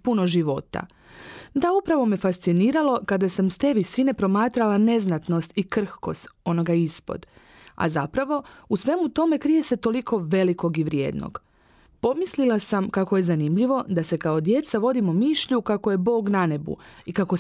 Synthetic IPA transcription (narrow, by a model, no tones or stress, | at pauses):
punoʒiʋo̞t̪a̰ | d̪aupɾaʋo̞mifast̪siniːɾalo̞kad̪asamst̪e̞ʋisine̞pɾo̞maːt̪ɾalane̞znat̪no̞st̪ikr̩hko̞st̪o̞no̞ɡaispo̰d̪ | a̰zapɾaʋo̞usʋe̞mut̪o̞me̞kɾije̞se̞t̪o̞likʰo̞ʋe̞liko̞ɡiʋɾjḛːd̪no̰ɡ̥ | po̞mislilˠasamkakoje̞zanimʎiʋo̞d̪ase̞kao̞d̪je̞t̪saʋo̞d̪imomiʃʎukako̞je̞bo̞ːɡnane̞bṵikako